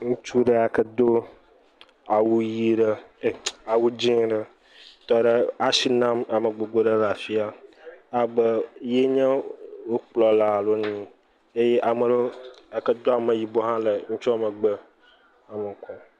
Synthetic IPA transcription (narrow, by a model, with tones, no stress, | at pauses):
ŋũ˦t͡ʃu˦ɖə˦a˨kə˦d̪o˦ | a˨wu˦ji˦ɖə˦˨ | a˨wu˦d͡ʑĩ˦ŋɖə˦ | t̪ɔ˦ɖə˦a˦si˨nã˦ma˨mə˨ɡ͡bo˨ɡ͡bo˦ɖə˦la˨fi˦a˨a˨bə˦je˦ɲə̃˦wo˦k͡plɔ˨la˨˦˨lo˦ɲĩ˦ | e˦je˦ʔa˨mə˨ɖo˦a˨kə˦d̪o˦a˨mə˨ji˨bo˦ɦã˦lə˨ŋũ˦t͡ʃɔ˦a˨mə̃˨ɡ͡bə˦ | a˨mə˨kʰɔ˨